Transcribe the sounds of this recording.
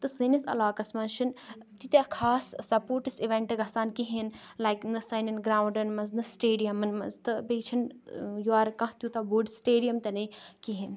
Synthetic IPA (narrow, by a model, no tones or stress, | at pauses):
t̪ɨsɨnisɐ̰laːkɐsmɐnt͡ʃʰin | t̪it̪ʲekʰaːssɐpoːɾʈisiʋẽɳʈɨɡʱɐsaːnkiɦinlajknɨsɐninɡɾaːwɳɖɐnmɐnznɨsʈeːɖijɐmɐnmɐ̰nzt̪ɨbejt͡ʃʰinjuaːɾkɐ̃ɦt̪ʲjut̪ɐbuːɖsʈeːɖijɐmt̪ɐnɐkiɦin